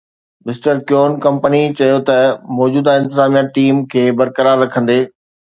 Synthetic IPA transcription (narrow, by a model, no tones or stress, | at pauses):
mɪsʈəɾkjoːnkɐ̃mpənit͡ɕɐjot̪ɐmɔːd͡ʑuːd̪aɪ̃nt̪ɪzaːmijãʈiːmkʰeːbɐɾkəɾaːɾːɐkʰə̃nd̪eː